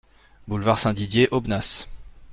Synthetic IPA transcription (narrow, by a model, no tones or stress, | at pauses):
bulvaʁsɛ̃d̪id̪jeʔobnas